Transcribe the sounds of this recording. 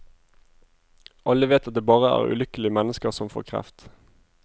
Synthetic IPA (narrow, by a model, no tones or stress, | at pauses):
ʔɑləʋeːt̪ɑt̪̚d̪eːbɑːʁəæ̰ːʁʉ̰lʏkəlɪəmɛnəskəʁsɔmfo̰ːʁkʰʁɛ̰ft̪